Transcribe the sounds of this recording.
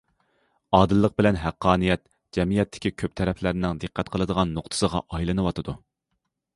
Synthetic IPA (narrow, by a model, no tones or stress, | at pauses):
ɑːd̪ɨlˠːəq̚bɪlɛnɦæqʰːɑːnɨjɛt̪ | d͡ʒɛmijɛt̪ʰːɪ̥kʲikʲʰøp̚t̪ʰɛɾɛpʰlæɾnɪŋd̪ɨqʰːæt̪qʰəlˠɨd̪əʁɑnːoqt̪ʰɨ̥səʁɑ̰ʔɑjlˠɨnɨwɑt̪ʰɨd̪u